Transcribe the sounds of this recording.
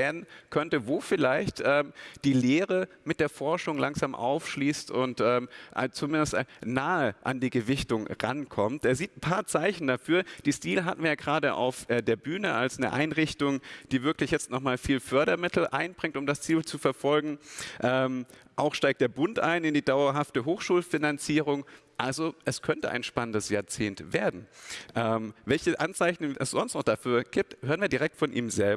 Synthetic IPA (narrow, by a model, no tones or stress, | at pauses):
vɛːdn̩kʰœntəvoːfɪlaɪçtʔɛːmd̥iːleːʁəmɪt̚d̥eːɐfɔɐʃʊŋlaŋzaːmʔa̰ʊfʃliːstʊntʔɛːmʔa̰t͡sumɪndəstnaːəʔa̰ndiːɡəvɪçtʊŋʁa̰nkʰɔmtʔeːɐziːt̚n̩pʰaːɐt͡saɪçn̩dafyːɐd̥eːstiːləɦatn̩viːɐjaːɡʁaːdəʔa̰ʊfʔɛːdeːɐbyːnəʔa̰lsnəʔa̰ɪnʁɪçtʊŋd̥iːvɪɐklɪçjɛt͡stnɔχmaːlfiːlfœɐɾɐmɪtʰl̩ʔa̰ɪnb̥ʁɪŋtʊmdast͡siːlt͡sufɛɐfɔlɡŋ̩ʔɛːmʔaʊxʃtaɪk̚td̥eːɐbʊntʔa̰ɪnɪndiːdaʊɐɦaftəɦoːxʃuːlfinant͡siːʁ̞ʊŋʔalzoʔɛskʰœntə̰ʔa̰ɪnʃpanəndəsjaːɐt͡seːntv̥eːɐdn̩ʔɛːmvɛlçəʔant͡saɪçn̩ɛ̰sz̥ɔnstnɔχd̥afyːɐɡ̥iːp̚thøːʁ̞ənviːɐdiʁɛk̚tfɔnʔḭːmzɛlbɐ